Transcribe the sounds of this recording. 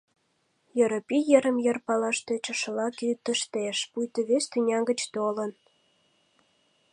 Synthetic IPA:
jə̆ɾopijəɾə̆mjərpɑlɑʃt̪et͡ɕə̆ʃəlɑkit̪əʃt̪eʃpujt̪əβest̪ynʲɑŋɡə̆t͡ɕt̪olə̆n

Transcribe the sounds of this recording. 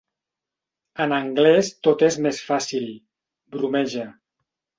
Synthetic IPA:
ənəŋɡlɛst̪ot̪ezmesfasilˠ | bɾumɛʒə

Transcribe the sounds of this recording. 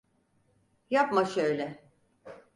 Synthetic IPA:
japmaʃøjlʲɛ

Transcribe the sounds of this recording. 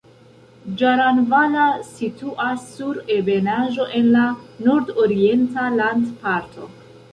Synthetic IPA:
d͡ʒaɾanvanasituʔasːuɾe̞be̞naʒo̞ʔe̞nlanoɾdoɾie̞ntalandpaɾtʰo̞̰

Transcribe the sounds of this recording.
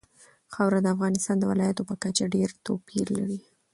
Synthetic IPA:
xawɾad̪əafɣɑnɪst̪ɑnd̪əwɪlɑjat̪opəkat͡ʃaɖeɾt̪opiɾla̰ɾi

